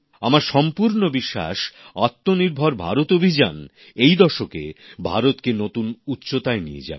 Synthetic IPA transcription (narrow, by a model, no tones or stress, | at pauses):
amaɾʃɔmpuɾnobiʃːa̰ʃat̪ːoniɾbʱoɾbʱa̰ɾot̪obʱid͡ʑan | ejd̪ɔʃokḛbʱa̰ɾot̪kenot̪unutːɕot̪aenijḛd͡ʑa̰